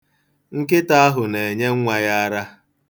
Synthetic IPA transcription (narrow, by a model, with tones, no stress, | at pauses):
ŋ̩˦kɪ˦ta˦a˦ɦʊ˨ne˨e˨ɲe˦ŋ̩˦ŋʷa˨ja˦a˦ɾa˦